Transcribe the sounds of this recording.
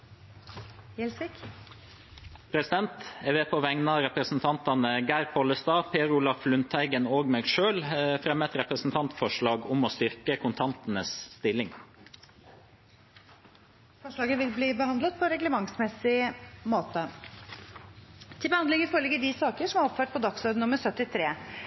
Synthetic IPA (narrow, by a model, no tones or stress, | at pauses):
ɛlsɪk | pʰɾɛsɪd̪ɛnt̪ɛʋepʰoːʋɛŋnɑɾɛpɾəsn̩t̪ʰɑnt̪ɑnəɡæːɾpʰɔləst̪ɑːpʰeːɾʊlɑfflʉnt̪ʰæɪɡənoːɡməɾʃøːlfɾɛmət̪ɾɛpɾəsn̩t̪ʰɑnt̪fɔʂɭɑːɡʊmoːst̪ʏɾkəkʰʊnt̪ʰɑnt̪n̩əsːt̪ɪlɪŋ | fɔʂɭɑːɡəʋɪlbliːbəhɑnd̪lət̪̚pʰɔɾɛɡləmɑŋsmɛsɪmoːt̪ə | t̪ʰɪlbəhɑnd̪lɪŋəfoːɾɭɪɡəɖisɑːkəʂɔmhɑɾɔpføːʈ̚pʰɔd̪ɑksɔɾd̪nnʊməɾsœt̪ɪt̪ʰɾeː